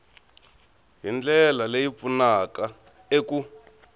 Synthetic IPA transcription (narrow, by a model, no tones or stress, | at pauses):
ɦind͡ɮɛlalejip̪funaka | eku